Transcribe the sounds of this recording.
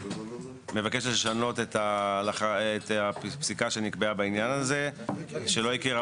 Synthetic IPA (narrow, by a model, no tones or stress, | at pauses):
mevakeʃeʃano̞t̪et̪alaχat̪apsikaʃe̞nikbeabainjanaze̞ʃelo̞ikiʁa